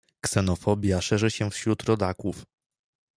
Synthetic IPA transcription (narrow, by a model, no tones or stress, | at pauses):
ksɛnɔfɔbʲjaʂɛʐɘɕɛfɕɾut̪ɾɔd̪akuf